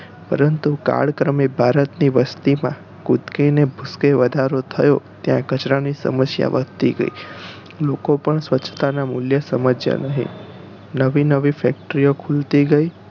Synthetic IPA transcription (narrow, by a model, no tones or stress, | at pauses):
pəɾənt̪uka̰ɭkɾəmibʱaɾət̪niʋəst̪imã | kut̪kenebʱuskeʋəd̪ʱaɾot̪ʰəjot̪jã̰kət͡ʃɾanisə̰məsja̰ʋəɡt̪iɡə̰ḭ | lokopəɳsʋətːt͡ʃʰt̪anamuljəsəməd͡ʒja̰nəɦḭ̃ | nəʋinəʋifɛk̚ʈəɾijokʰult̪iɡəi